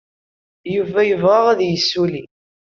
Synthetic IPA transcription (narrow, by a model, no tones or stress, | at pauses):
juvæjəvʁaʁæðjəsːuli